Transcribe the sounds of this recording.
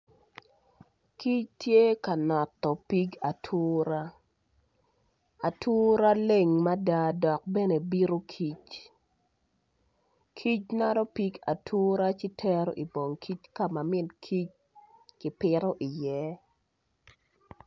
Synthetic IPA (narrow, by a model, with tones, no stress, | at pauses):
ki˦t͡ʃtje˦ka˨nɔ˨t̪ːɔ˨pi˦ɡa˨tʰu˦ɾa˦ | a˨tu˦ɾa˦le˨ŋma˦da˦dɔ˨k̚bɛ˦ne˨bi˦ɾo˦kʰi˦t͡ʃ | kʰi˦t͡ʃna˦ɾɔ˦pi˦ɡa˨tʰu˦ɾa˦t͡ʃi˦tʰɛ˦ɾɔ˦ʔi˨bo˨ŋkʰi˦t͡ʃka˦ma˨mɪ˦nkʰi˦t͡ʃ | kɪ˨pɪɾɔ˦ʔi˨jɛ˦